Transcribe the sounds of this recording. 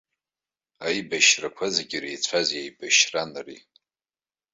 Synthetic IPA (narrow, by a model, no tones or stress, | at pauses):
ajbaʃrakʷʰazeɡʲirejt͡sʷʰazjejbaʃranrḭ